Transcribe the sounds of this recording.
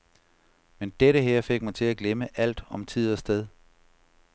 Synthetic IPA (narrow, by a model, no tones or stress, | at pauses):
mend̥eɾəɦeɐ̰fe̝ɡ̥mænt͡sʰe̝læɡ̥leməʔæl̰d̥ɒ̽mt͡sʰið̞̰ˠɒsd̥eðˠ